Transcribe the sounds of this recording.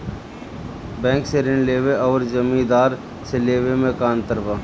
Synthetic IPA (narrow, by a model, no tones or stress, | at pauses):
bɛ̃ːŋkseɾɪnleːʋeɔːɾd͡ʒəmĩd̪aːɾ | seleːʋemẽkaːnt̪əɾʋaː